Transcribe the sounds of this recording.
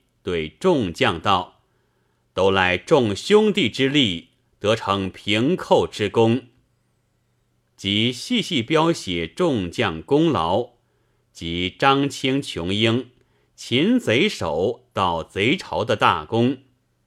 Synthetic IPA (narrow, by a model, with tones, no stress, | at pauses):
t̪we˥˩ɪʈ͡ʂʊ˥˧ŋt͡ɕjɑ˥˧ŋt̪ɑ˥˩ʊ | t̪o˥ʊla˧˥ɪʈ͡ʂʊ˥˩ŋɕjʊ˥ŋt̪i˥˩ʈ͡ʂɻ̩˥li˥˩ | t̪ɤ˧˥ʈ͡ʂʰɤ˧˥ŋpʰi˧˥ŋkʰo˥˩ʊʈ͡ʂɻ̩˥kʊ˥ŋ | t͡ɕi˧˥ɕi˥˧ɕi˥˩pjɑ˥ʊɕjɛ˨˩ʈ͡ʂʊ˥˧ŋt͡ɕjɑ˥˩ŋkʊ˥ŋlɑ˧˥ʊ | t͡ɕi˧˥ʈ͡ʂɑ˥ŋt͡ɕʰi˥ŋt͡ɕʰjʊ˧˥ŋi˥ŋ | t͡ɕʰi˧˥nt͡se˧˥ɪʂo˨˩˦ʊt̪ɑ˥˩ʊt͡se˧˥ɪʈ͡ʂʰɑ˧˥ʊd̪ə˧t̪a̰˥˩kʊ˥ŋ